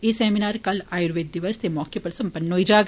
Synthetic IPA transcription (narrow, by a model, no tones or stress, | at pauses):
esɛːminaːɾkɐlaːjuɾʋeːd̪̚d̪ɪʋəst̪emɔːkepəɾsɐ̃mpənːɦoid͡ʒaːɡ